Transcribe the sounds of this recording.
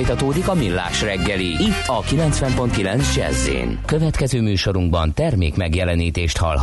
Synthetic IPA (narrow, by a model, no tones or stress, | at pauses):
jt̪ɒt̪oːd̪ikɒmilːa̰ːʃrɛɡːɛliit̪ːɒkilɛnsʋɛmpo̞nt̪kilɛnsd͡ʒɛ̰zːḛːnkø̞vɛt̪kɛzøːmyːʃo̞ɾuŋɡbɒnt̪ɛrmeːkmɛɡjɛlɛniːt̪eːʃt̪hɒ̰lɦ